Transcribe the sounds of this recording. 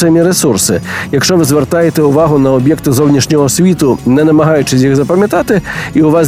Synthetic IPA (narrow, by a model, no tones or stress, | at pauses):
ɐmʲiɾɛsursɨjɐkʂt͡ʂɔvɨzʲvʲɛrt̪ajɛt̪ɛuvaɣunɐɔbʲjɛkt̪ɨzɔwnʲɐʂnʲɔɣɔsʲvʲit̪unɛnɐmɐɣajut͡ʂɨsʲjiɣzɐpɐmʲjat̪at̪ɨiuvas